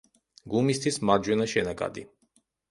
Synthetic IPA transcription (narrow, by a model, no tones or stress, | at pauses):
ɡumist̪ʰismaɾd͡ʒwɛnaʃɛnaɡa̰d̪i